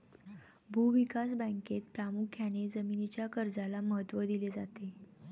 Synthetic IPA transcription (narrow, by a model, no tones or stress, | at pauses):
bʱuʋikas̬bə̃ŋket̪̚pɾamukʰːjañed͡zəminit͡ɕjakəɾd͡zalaməɦət̪ʋəd̪iled͡zat̪e